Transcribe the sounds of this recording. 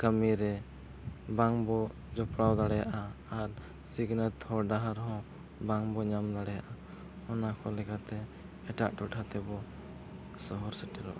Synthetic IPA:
kəmiɾɛ | baŋbɔ | d͡ʒɔpɽawd̪aɽɛjaʔaː | ɾ | siɡnət̪hɔɖaɦaɾɦɔ̃ | baŋbɔɲamd̪aɽɛjaʔa | ɔnakʰɔlɛkat̪ɛː | ʈa̰ʔʈɔʈʰat̪ɛbɔ | sɔɦɔɾsɛʈɛɾɔ̰ʔa

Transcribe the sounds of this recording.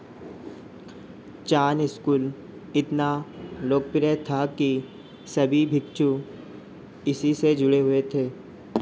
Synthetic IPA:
t͡ʃaːnɪskuːl | ɪt̪naloːk̚pɪɾɛt̪ʰaki | sɐbʱibʱɪk̚t͡ʃu | ɪsised͡ʒʊɽeɦʊet̪ʰeː

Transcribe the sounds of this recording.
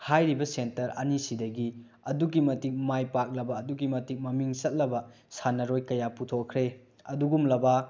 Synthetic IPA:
hajɾibɐsentɐɾɐ̰nisidɐɡi | ɐduɡimɐtik̚majpak̚lɐbɐːduɡimɐtik̚mɐmiŋsɐt̚lɐbɐ | sanɐɾojkɐjaputʰokʰːɾe | ɐduɡumlɐbɐ

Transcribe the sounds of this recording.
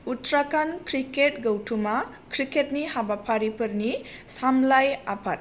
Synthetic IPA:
utɾakankʰɾiket̚ɡɐwtʰuma | kʰɾiket̚nihabapʰaɾipɐɾni | samlajapʰat̚

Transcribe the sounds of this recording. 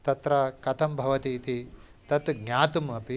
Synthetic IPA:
t̪ɐt̪ɾɐkɐt̪ʰɐmbʱɐʋɐt̪iːt̪i | t̪ɐt̪ɡɲʲaːt̪umɐpi

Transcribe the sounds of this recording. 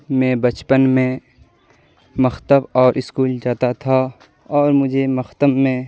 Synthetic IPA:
mɛ̃ːbət͡ʃpənmẽ | məxt̪əbɔːɾʔɪskuːld͡ʒaːt̪at̪ʰa | ɔːɾmʊd͡ʒʱemɐxt̪əbmẽ

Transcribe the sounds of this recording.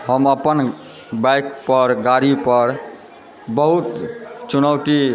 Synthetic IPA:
ɦəməpən | bajkpəɾɡaɾipəɾ | bəɦut̪t͡ʃunəwʈi

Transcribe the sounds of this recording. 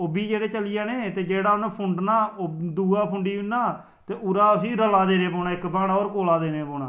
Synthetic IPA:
oːbiːd͡ʒeːɽeːt͡ʃəlɪjaːneːt̪eːd͡ʒeːɽaːʊnãːpʰʊɳɖnaːd̪uːaːpʰʊɳɖiːɪnːaː | t̪eːʔʊɾaːəsĩːɾəlaːd̪eːneːpɔːnaːɪkbaːɽ̃aːoːɾkoːlaːd̪eːneːpoːnaː

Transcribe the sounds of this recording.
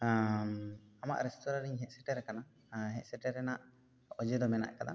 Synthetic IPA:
ama̰ʔɾɛst̪ɔɾaɾiɲɦɛʔsɛʈɛɾɛkana | ɦɛʔsɛʈɛɾɛnaʔ | ɔd͡ʒɛd̪ɔmɛna̰ʔkad̪a̰

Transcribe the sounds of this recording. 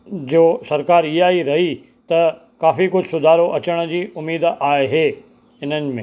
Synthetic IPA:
d͡ʑoːsɐɾkaːɾijaːiɾɐɦi | t̪ɐ | kaːfikʊd͡ʑʱɪsʊd̪ʱaːɾoʔɐt͡ɕəɽ̃̆d͡ʑiːʊmiːd̪aːeɦeː | ɪn̤ənɪ̆mẽː

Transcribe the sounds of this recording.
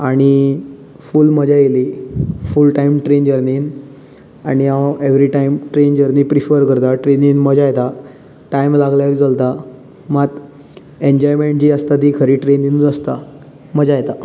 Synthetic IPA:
aɽ̃i | fulməd͡ʑajelifulʈaimʈɾend͡ʑəɾniːn | aɽ̃iaeʋɾiʈaimʈɾend͡ʑəɾnipɾifəɾkəɾt̪aʈɾeninməd͡ʑajet̪a | ʈajmlaɡljaɾd͡zəlt̪a | mat̪ | ẽɲd͡ʑɔjmeɳʈ̚d͡ʑiːəst̪at̪iːkʰəɾiːʈɾeninəst̪a | məd͡ʑajet̪a

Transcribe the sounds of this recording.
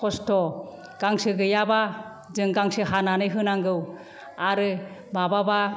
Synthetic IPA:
kʰɔstɔ | ɡ̥aŋsɯɡɯjaba | zɯŋɡaŋsɯɦananɯjɦɯnaŋɡɯw | aɾɯbababa

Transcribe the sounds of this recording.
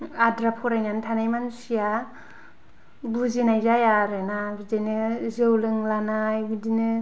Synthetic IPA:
adɾapʰɔɾajnantʰanajmansija | buzinajzajaɾɯnabidenɯzɯwlɯŋlanajbidinɯ

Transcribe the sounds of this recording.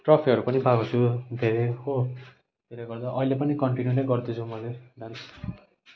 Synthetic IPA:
ʈrʌpʰiʌɾupʌnibakut͡sʰud̪ʱeɾeɦo | t̪elaɡʌrd̪aʔʌilepʌnikʌɳʈinjunejɡʌrd̪it͡sʰumʌled̪ʱan

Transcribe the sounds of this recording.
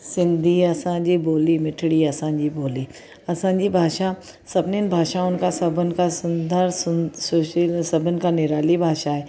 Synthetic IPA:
sɪ̃nd̪ʱiɐsãd͡ʑiboːlimɪʈʰɽiɐsãd͡ʑiboːli | ɐsãːd͡ʑibʱaːʃa | sɐbnenbʱaːʃaʊnkasɐbənkasʊnd̪əɾsʊsoʃsɐbənkanɪɾaːlibʱaːʃaɦɛː

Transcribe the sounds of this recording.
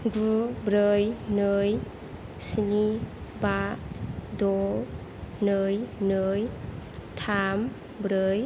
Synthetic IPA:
ɡubɾɯjnɯj | sinibatdɔ | nɯjnɯjtʰam | bɾɯj

